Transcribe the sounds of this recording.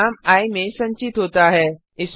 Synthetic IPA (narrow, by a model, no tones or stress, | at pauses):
aːmaːimẽsɐ̃ɲt͡ɕɪt̪ɦoːt̪aɦɛː | ɪs